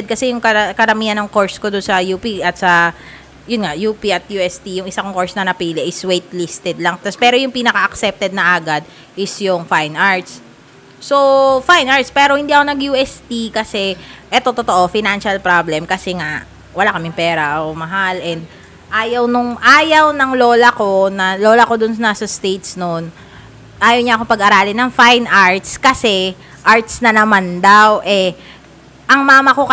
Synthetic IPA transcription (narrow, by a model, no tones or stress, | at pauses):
ɛd̪̚kɐsɛjʊŋkɐkɐɾɐmiːhɐnːɐŋko̞ɹskod̪ʊnsɐjuːpiʔɐt̪sɐ | jʊnŋaʔjuːpiʔɐt̪̚juːɛst̪ijʊŋʔɪsakʊŋko̞ɹsnɐnɐpiːlɪʔɪswejt̪list̪ɛd̪lɐŋt̪aspɛːɾo̞jʊŋpinɐkɐʔɐksɛp̚t̪ɛd̪̚nɐʔaːɡad̪̚ | ʔɪsjʊŋfajnaɹt̪sː | ofajnʔaɹt̪spɛːɾo̞hɪnd̪iːʔɐko̞nɐɡjuːʔɛst̪ikɐsɛʔɛt̪o̞t̪ot̪oʔo̞fɪnanʃɐlpɾablɛmkɐsɛŋaʔ | wɐlakɐmɪŋpɛːɾɐɐomɐɦalʔɛnd̪̚ | ʔaːjɐwnʊŋʔaːjɐwnɐŋlo̞ːlɐko̞nɐlo̞ːlɐko̞d̪ʊnnasɐst̪ejt̪snon | ʔaːjɐwɲaʔɐkopɐɡʔɐɾaːlɪnɐŋfajnʔaɹt̪skɐsɛ | ʔaɹt̪̚snɐnɐmand̪awʔɛ | ʔɐŋmaːmɐko̞kɐ